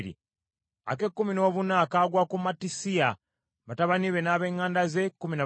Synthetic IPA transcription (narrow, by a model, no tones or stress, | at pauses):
ɾḭ | a̰ke̞kːumino̞ːβunaːkaɡwaːkumatisia | βataβaniβe̞naːβe̞ːŋːaːndaze̞kːumina